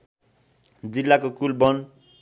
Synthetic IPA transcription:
d͡zilːakokulbʌn

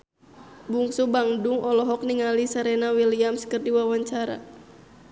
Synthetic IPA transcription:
buŋsubaŋduŋʔɔlɔɦɔk̚niŋalisaɾɛnawiliamskərdiwawaɲt͡ʃaɾa̰

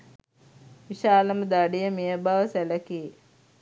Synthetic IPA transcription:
ʋiʃaːləməd̪aɖijəmejəbaʋəsæləki

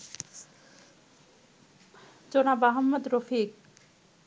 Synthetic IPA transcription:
d͡ʑonabaɦɔmːod̪ɾofik̚

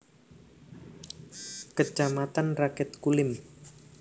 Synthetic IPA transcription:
kə̥d͡ʒamat̪anrakɛt̪̚kulɪm

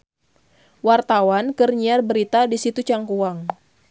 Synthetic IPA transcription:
wart̪awankərɲiarbəɾit̪adisit̪ut͡ʃaŋkuaŋ

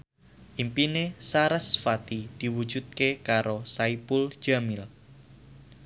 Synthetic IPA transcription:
ʔimpinesaɾasfat̪id̪̥i̤wu̥d͡ʒ̥ud̪̚kekaɾosaipul̥d͡ʒ̥amɪl

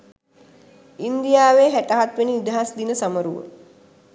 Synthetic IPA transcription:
ind̪ijaːʋeːɦæʈaɦat̪ʋeninid̪aɦasd̪inəsaməɾuʋə̰

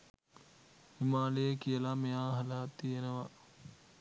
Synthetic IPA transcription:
himaːlejəkijəlameaːɦɐlaːt̪ːijenəʋa

